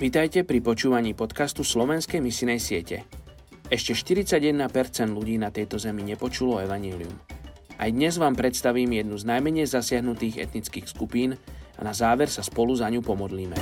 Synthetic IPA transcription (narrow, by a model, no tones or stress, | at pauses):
ʋit̪ajcɛpɾipɔt͡ʃuːʋaɲiːpɔt̪kast̪uslɔʋɛnskɛjmisinɛjsɪɛcɛ̰ | ɛʃcɛʃt̪iɾit͡saɟjɛd̪napɛɾt͡sɛnd̪luɟiːnat̪ɛjt̪ɔzɛmiɲɛpɔt͡ʃulɔɛʋaɲɪɛːliṵmʔa̰jd̪ɲɛzʋaːmpɾɛt̪st̪aʋiːmjɛd̪nuznajmɛɲɛjzasɪaɦnut̪iːɣɛ̰t̪nit͡skiːxskupiːna̰nazaːʋɛɾsaspɔluzaɲupɔmɔd̪liːmɛ